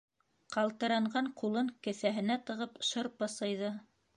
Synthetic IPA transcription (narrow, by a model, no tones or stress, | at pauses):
qɑlˠt̪ɤ̆ɾɑɴʁɑɴqulˠɤŋkɘ̆θæɦɘ̆næt̪ɤ̆ʁɤpʃɤɾpɤ̆sɤ̆jðɤ